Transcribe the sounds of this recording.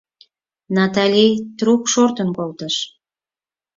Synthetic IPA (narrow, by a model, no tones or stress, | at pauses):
nɑt̪ɑlʲijt̪rukʃort̪ənkolt̪əʃ